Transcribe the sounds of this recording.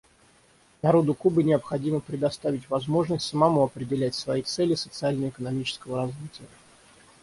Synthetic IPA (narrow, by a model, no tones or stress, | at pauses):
nɐɾo̞d̪ʊkubɨnʲɪəpxɐdʲiməpɾʲɪd̪ɐst̪avʲɪtʲvɐzmo̞ʐnəsʲtʲsəmɐmuɐpɾʲɪdʲɪlʲætʲsvɐit̪sɛlʲɪsə̥t̪sɨalʲnəjəɪkənɐmʲit͡ɕɪ̥skəvəɾɐzvʲitʲɪjə